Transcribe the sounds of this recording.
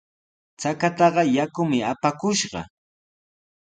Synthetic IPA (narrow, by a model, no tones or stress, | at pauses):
t͡sakat̪ɑɢɑjakʊmɪapakʊʃɢɑ̰